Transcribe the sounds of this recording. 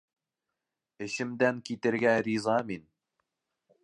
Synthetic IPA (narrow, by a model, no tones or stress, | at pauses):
ɘ̆ɕɘ̆md̪æŋkit̪ɘ̆ɾɡæɾʲizɑmin